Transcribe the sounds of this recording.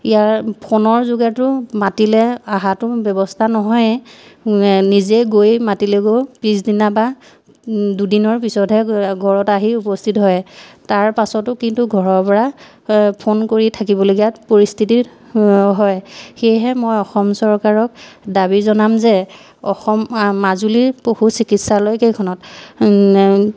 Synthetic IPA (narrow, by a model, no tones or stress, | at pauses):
ijaɹpʰonɔɹzoɡatʊmatilɛaɦatʊbjɛbɔstʰanɔɦɔj | nizɛɡojmatilɛɡopisdinaba | dudinɔɹpisɔtɦɛɡʱɔɹɔtaɦiupɔstʰitɦɔjtaɹpasɔtʊkintuɡʱɔɹɔɹpɔɹa | pʰonkoɹitʰakibɔloɡijatpoɹistʰiti | ɦɔjxejɦɛmojɔxɔmsɔɹkaɹɔkdabizɔnamzɛ | ɔxɔmːazuliɹpohusikitsalojkejkʰɔnɔt